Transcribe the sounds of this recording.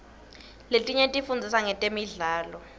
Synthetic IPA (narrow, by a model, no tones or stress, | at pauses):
letʼiɲɛtʼifund͡zʱisaŋɛtʼemiɮaːlɔ